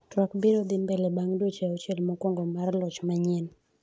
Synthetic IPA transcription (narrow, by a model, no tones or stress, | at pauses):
twakbiɾɔd̪ɪmbɛlɛbaŋdwot͡ʃɛɔt͡ʃɛlmɔkwɔŋɡomarlɔt͡ʃmaɲɪn